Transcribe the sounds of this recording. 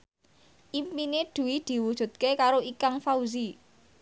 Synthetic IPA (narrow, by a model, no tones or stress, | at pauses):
ʔimpined̪̥ṳwid̪̥i̤wud̥ʒ̥ṳt̪̚kekaɾoikaŋfauzi